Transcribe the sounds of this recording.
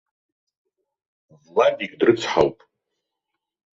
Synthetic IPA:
vladiɡʲdrɨt͡sʰħa̰wpʼ

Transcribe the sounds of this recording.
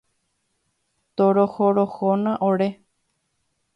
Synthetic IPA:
t̪oɾohoɾohonãʔoɾe

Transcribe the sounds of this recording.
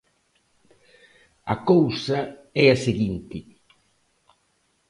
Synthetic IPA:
ɐkowsɐɛɐseɣint̪ɪ

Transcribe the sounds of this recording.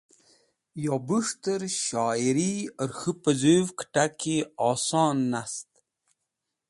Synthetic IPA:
jobuʂt̪əɾɕɑːiɾiəɾxɨpəzuvkʈakiɑːsɑːnːast̪

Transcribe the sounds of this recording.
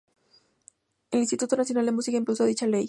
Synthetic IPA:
elinst̪it̪ut̪onasjo̞nald̪emusikaĩmplus̬oaðit͡ʃalej

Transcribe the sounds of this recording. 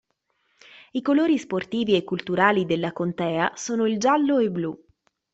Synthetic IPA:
ikoloːɾisport̪iːviekːult̪uɾaːlid̪elːakont̪ɛːasoːnoild͡ʒalːoebːlu

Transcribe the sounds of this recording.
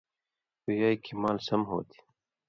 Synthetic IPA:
ujaːikʰimaːlsɐmɦo̰ːt̪ʰi̥

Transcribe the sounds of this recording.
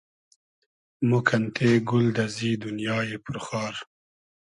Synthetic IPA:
mukʰant̪ʰeɡʊld̪aziːd̪ʊnjɑːjepʊɾxɑːɾ

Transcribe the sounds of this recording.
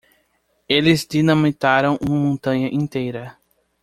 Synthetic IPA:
elɪzd̪inɐ̃mit̪aɾɐ̃w̃ʔũmɐmõnt̪ɐ̃ɲɐʔĩnt̪ejɾɐ

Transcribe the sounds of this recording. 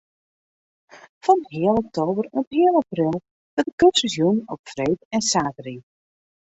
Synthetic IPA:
fɔnɦɪəlˠɔk̚tʰoːbərɔphɪəlˠaprɪlˠ | d̥ɔtəkøsəsjunɔpfreːtɛnsaːtəri

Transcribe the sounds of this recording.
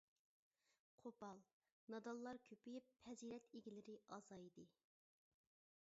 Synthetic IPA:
qʰopɑlˠ | nɑd̪ɑlˠːɑɾkʲʰøpijipʰːɛziɾɛt̪eɡʲilɪɾɪɑzɑjid̪ɪ

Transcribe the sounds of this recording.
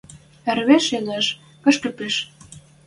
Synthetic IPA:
ɘ̆rβeʃeləʃ | kə̆ʃkə̆peʃ

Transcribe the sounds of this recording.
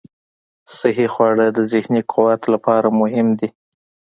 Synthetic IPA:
sɪɦixwɑɽəd̪əzɪhniqʰʊwat̪lapɑɾamʊɦɪmd̪i

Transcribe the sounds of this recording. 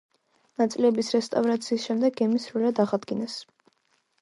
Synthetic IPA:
nat̪sʼilɛbisɾɛst̪ʼavɾat̪sʰiːsʃɛmd̪ɛɡ̚ɡɛmisɾulad̪aʁad̪ɡinɛs

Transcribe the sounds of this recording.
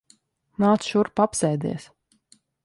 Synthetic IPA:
naːt̪sʃuɾpapsɛːjd̪ḭɛs

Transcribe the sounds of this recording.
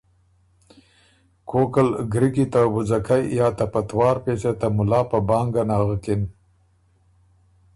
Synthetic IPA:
kʰokalɡɾikit̪awʊzakʰajjɑt̪apat̪wɑːɾpeset̪amʊlɑːpəbɑːŋɡanɑːɣəkɪn

